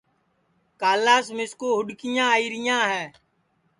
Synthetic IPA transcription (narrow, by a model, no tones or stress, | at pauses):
kaːlaːsmɪskoːɦʊɗkɪjãːiːɾɪjãːɦɛː